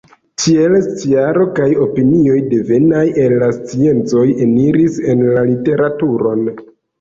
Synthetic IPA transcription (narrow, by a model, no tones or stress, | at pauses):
tʰie̞lst͡siaɾo̞kajo̞pinio̞jde̞ve̞naje̞lːast͡sie̞nt͡so̞je̞niɾise̞nlalite̞ɾatuɾo̞n